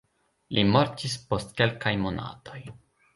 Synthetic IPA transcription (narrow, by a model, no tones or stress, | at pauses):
lʔimo̞ɾtispo̞stke̞lkajmo̞na̰to̞j